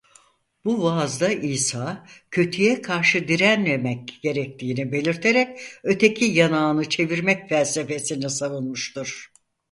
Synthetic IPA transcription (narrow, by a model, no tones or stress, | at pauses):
b̥uvaːzd̪aʔiːsaːcʰø̞t̪ʰyjɛkʰaɾʃɯd̪iɾænmemɛc̚ɟ̥e̞ɾɛc̚t̪ʰiːnibe̞lʲiɾt̪ʰe̞ɾɛc̚ø̞t̪ʰe̞cʰijanaːnɯt͡ʃʰe̞viɾmɛcfælʲse̞fe̞sinisavunmɯʃt̪uɾ̥